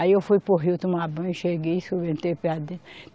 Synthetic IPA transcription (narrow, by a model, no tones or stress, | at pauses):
aiewfujpoɦiwt̪umabɐ̃ʃeɡesobẽnt̪epead̪ẽ